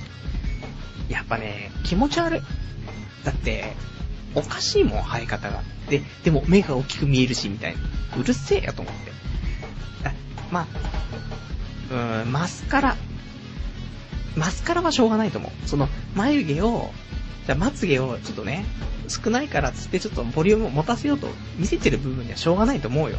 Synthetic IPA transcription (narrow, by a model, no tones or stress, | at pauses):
japːane̞̰kʲimo̞t͡ɕiaɾɯ̟ | d̪̥at̪ːe̞̰ | o̞kaɕiːmõ̞̰haikat̪aɡa̰d̪̥e̞d̪̥e̞mo̞me̞ɡao̞kʲːi̥kɯ̟mʲie̞ɾɯ̟ɕimʲit̪a̰ḭnaɯ̟ɾɯ̟se̞ːjo̰t̪o̞̰ːmo̞̰t̪ːe | d̪̥a | ma | ɯ̟̃masɨ̥kaɾa | masɨ̥kaɾaβaɕo̞ːɡanait̪o̰mʔo̰ɯ̟so̞no̞majɯ̟ɡe̞o̞̰ | d͡ʑaːmat͡sɨɡe̞o̞t͡ɕo̞t̪ːo̞ne̞sɨ̥kɯ̟naikaɾat͡sɨ̥t̪ːe̞t͡ɕo̞t̪ːo̞bo̞ɾʲiɯ̟mɯ̟omo̞t̪asejo̞ːt̪o̞̰ | mʲise̞t̪e̞ɾɯ̟bɯ̟bɯ̟ɲ̟ːiβaɕo̞ːɡanait̪oːmo̞ɯ̟jo̰